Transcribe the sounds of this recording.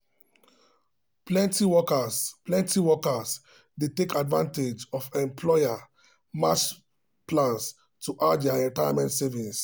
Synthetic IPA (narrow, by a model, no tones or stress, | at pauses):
plɛ̃ntiwɔkəsplɛ̃ntiwɔkəs | detekadvã̰nted͡ʒɔfɛ̃mpʰlɔɪa | mat͡ʃ | plãns | tʰuʔad͡ʒaɛ̃taɪa̰mɛ̃ntsɛvĩs